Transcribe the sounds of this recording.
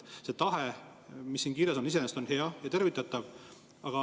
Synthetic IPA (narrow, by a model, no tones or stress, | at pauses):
se̞t̪ɑɦe | misːiːnkiːɾeso̞nise̞nest̪o̞nhe̞ɑjɑt̪e̞ɾvit̪ːˑɑt̪ːˑɑv | ɑɡ̥ɑ